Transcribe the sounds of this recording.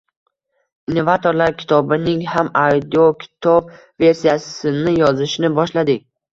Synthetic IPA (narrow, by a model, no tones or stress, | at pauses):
inːo̞vat̪ʰo̞ɾlaɾkʲʰɪ̥t̪ʰɒbɪnɪŋhamawd̪iokʲʰɪ̥t̪ʰɒb | ve̞ɾsijasɪnɪjɒzɪʃɪnɪbɒʃlad̪ɪk̚ʲ